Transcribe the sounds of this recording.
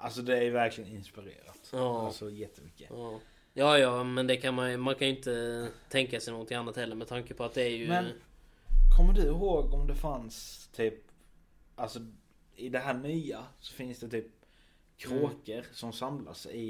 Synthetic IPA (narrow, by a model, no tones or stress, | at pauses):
ʔalsɔd̪ɛæɾjvæɾklɪɡənɪnspɪɾḛːɾa̰t̪ɑːasɔjɛt̪ʰːəmʏkːəɑː | jɑːjɑːmɛnd̪ɛkʰanmanjmankʰanʏɪnt̪ət̪ʰɛŋkasɛɪnoːɡɔnʰɪŋanːat̪hɛlːəɾmɛt̪ʰaŋkəpʰɔat̪̚d̪ɛːɾjɵmɛn | kʰɔmːəɖɵɦoːɡɔmd̪ɛfanst̪ʰyːp̚ | alsɔ | ɪd̪ɛɦæːɳyːasɔ̥fɪnsd̪ɛt̪ʰyːp̚ | kʰɾoːkəɾsɔmsamla̰sɛɪ